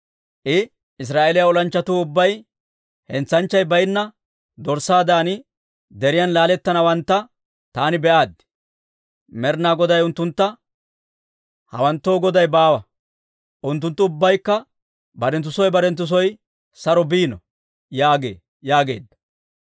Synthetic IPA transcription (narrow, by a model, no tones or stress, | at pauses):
ʔɪ | ɪs̬ɾaːʔelɪjaɔlɐnt͡ʃːɐt̪uːʊbːɐj | hɛnt͡sːɐnt͡ʃːɐjbɐjɪnːɐ | d̪ɔɾsaːd̪aːnɪ | d̪ɛɾɪjɐnlaːlɛt̪ːɐnɐwɐnt̪ːɐ | t̪aːnɪbɛʔaːd̪ː | mɛɾnaːɡɔd̪ɐjʊnt̪ːʊnt̪ːɐ | hɐ̰wɐnt̪ːo̞ːɡɔd̪ɐjbaːwɐ | ʔʊnt̪ːʊnt̪ːʊʊbːɐjkːɐ | bɐɾɛnt̪̬ːʊsɔjbɐɾɛnt̪ːʊs̬ɔj | sɐɾɔbiːnɔ | jaːɡḛː | jaːɡe̞̰ːd̪ːɐ̥